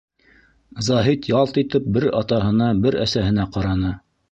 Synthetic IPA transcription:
zɑɦit̪jɑlˠt̪it̪ɘp̚bɘɾɑt̪ɑɦɤ̆nɑbɘɾæsæɦɘ̆næqɑɾɑnɤ

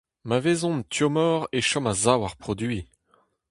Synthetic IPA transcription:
mavezɔ̃nt̪jɔmɔːʁeʃɔmazawaʁpχɔd̪ɥi

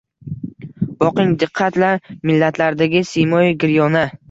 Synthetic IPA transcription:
bɒqɪŋd̪ɪqʰːɑt̪laɾmɪlːat̪ʰlaɾd̪aɡʲɪsimɒjɡʲɪɾjɒnɪ

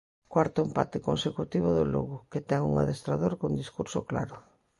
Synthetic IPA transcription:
kwaɾt̪ʊempat̪ɪkonsekut̪iβ̞ʊðʊlo̰ɣʊket̪ɛŋṵŋa̰ðest̪ɾaðoɾkond̪iskuɾsokla̰ɾʊ

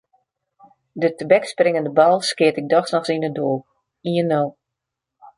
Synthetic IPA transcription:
dətəbɛksprɪŋəndəbalˠskɪətɪk̚dɔxsnɔxsinədoː | iənow

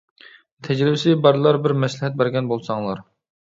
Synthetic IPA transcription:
t̪ʰɛd͡ʒɾɪbɪsɪbɑɾlˠɑɾbɪɾmɛslɪhɛt̪̚bæɾɡʲɛnbolˠsɑŋlˠɑɾ

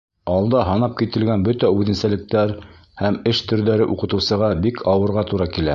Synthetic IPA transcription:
ɑlˠd̪ɑɦɑnɑp̚kit̪ɘ̆lɡænbɵt̪æʉðɘ̆nsælɘ̆k̚t̪æɾ | hæmɘʃt̪ɵ̆ɾðæɾɘʔuqɤ̆t̪ɤ̆wsɤ̆ʁɑbikʰɑwɤ̆ɾʁɑt̪uɾɑkilæ

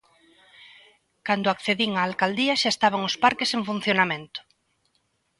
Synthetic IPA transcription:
kand̪ʊakθeðiŋaːlkald̪iaʃaest̪aβ̞aŋospaɾkeseŋfun̟θjonamẽnt̪ʊ̥

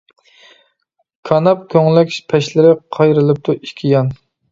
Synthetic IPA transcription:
kʰɑnɑp̚kʲʰøŋlɛkʲʃpʰɛʃlɪɾɪqʰɑjɾɨlˠɨp̚t̪ʰuikʲʰijɑn

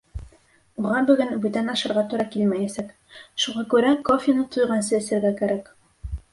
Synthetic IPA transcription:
uʁɑbɵ̆ɡɘnbʉt̪ænɑʃɤ̆ɾʁɑt̪uɾɑkilmæjæsæk | ʃuʁɑkʉɾækofʲɪnɤt̪ŏjʁɑnsɤɘ̆sɘ̆ɾɡækæɾæk

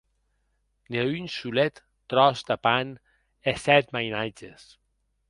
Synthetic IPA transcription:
neynsulet̪ːɾɔzd̪apan | esɛt̪majnad͡ʒes

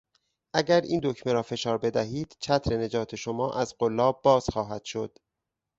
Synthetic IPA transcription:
ʔæɟæɾḭːnd̪o̞cʰmeɾɒːfe̞ʃɒːɾbe̞d̪æɦiːd̪̥t͡ʃʰæt̪ʰɾe̞ne̞d͡ʒɒːt̪ʰe̞ʃo̞mɒːʔæzɢolːɒːb̚ːɒːz̥xɒːɦæd̪̥ʃo̞d̪̥

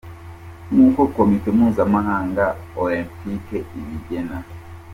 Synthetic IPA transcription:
ŋuːkokomitemhuːnzamaɦaːŋɡaolẽmpikeiβiɟena

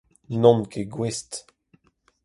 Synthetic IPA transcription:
nɔ̃nkʰeɡwest

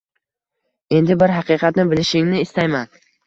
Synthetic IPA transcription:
e̞nd̪ɪbɪɾɦɑqɨːqʰɑt̪nɪbɪlɪʃɪŋnɪːst̪ajman

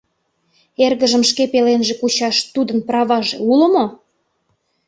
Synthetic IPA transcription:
erɣəʒə̆mʃkepelenʒekut͡ɕɑʃt̪ud̪ənprɑβɑʒḛulə̆mo

